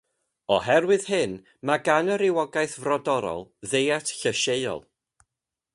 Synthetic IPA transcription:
ɔɦɛrwɨð̥hɨn | maɡanəɾɪwɔɡaɨθvrɔdɔɾɔ̰lˠðejatʰɬəʃeɨɔ̰lˠ

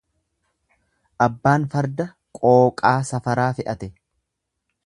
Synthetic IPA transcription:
ʔɐbːaːnfɐɾd̪ɐ | kʼoːkʼaːsɐfɐɾaːfɪʔɐt̪ɛ

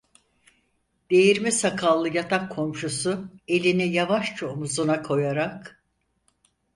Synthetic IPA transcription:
d̪̥e̞jiɾmisakʰalˠːɯjat̪ʰakʰːo̞mʃusʊe̞lʲinijavaʃt͡ʃʰomuzunakʰo̞jaɾak

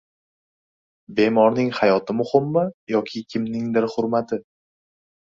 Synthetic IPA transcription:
be̞mɒɾnɪŋhajɒt̪ʰɪmʊhɪmːajɒkʲʰɪkʲʰɪmnɪŋd̪ɪɾχʊɾmat̪ʰɪ

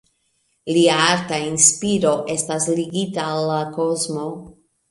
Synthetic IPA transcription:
liaaɾtainspiɾo̞ʔe̞stasliɡitaːlːako̞zmo̞

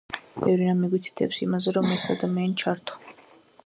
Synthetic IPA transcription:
bɛvɾinamiɡwit̪ʰi̥t̪ʰɛ̰psimazɛɾɔmɛsad̪amɛːnt͡ʃʰaɾt̪ʰɔ̥

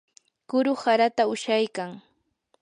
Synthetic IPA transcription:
kʊɾʊhaɾat̪aʊʃajkaŋ

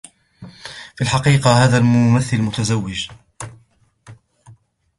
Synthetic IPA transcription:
filħɑqiːqɑhaːðalmʊmaθːɪlmʊt̪azawːɪd͡ʒ

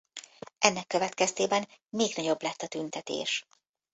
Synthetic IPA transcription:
ʔɛnːɛkːø̞vɛt̪kɛst̪eːbɛnmeːɡnɒɟo̞blɛt̪ːɒt̪ynt̪ɛt̪ḛːʃ

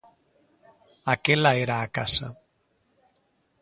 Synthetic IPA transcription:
akelaeɾaːkasa̰

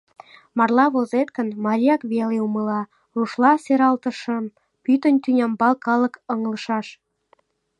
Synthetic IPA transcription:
mɑrlɑβozet̪kə̆nmɑɾʲijɑkβeleumə̆lɑ | ruʃlɑseɾɑlt̪ə̆ʃə̆m | pyt̪ənt̪ynʲɑmbɑlkɑlə̆kɤŋlə̆ʃɑʃ

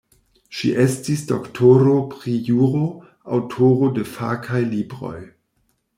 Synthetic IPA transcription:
ʃḭʔestisdoktʰoɾopɾijuɾo | a̰wtʰoɾodefakʰajlibɾo̞̰j

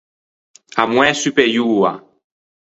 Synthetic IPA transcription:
amw̃ɛ̃sypɛjua̰

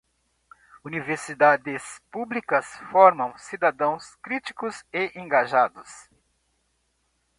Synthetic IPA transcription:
univeɾsid̪ad̪ɪspublikɐsfɔɾmɐ̃w̃sid̪ad̪ɐ̃w̃skɾit͡ʃi̥kʊseʔẽɡaʒad̪ʊs

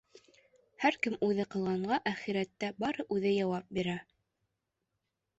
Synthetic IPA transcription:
hæɾkɘmʉðɘqɤ̆lˠʁɑɴɢɑʔæχiɾæt̪ːæbɑɾɤʔʉðɘjɑwɑp̚biɾæ

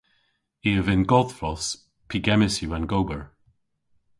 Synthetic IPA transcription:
iəvɪnɡɔð̥fɹɔs | pʰiɡɛmɪsjuãnɡowbəɹ

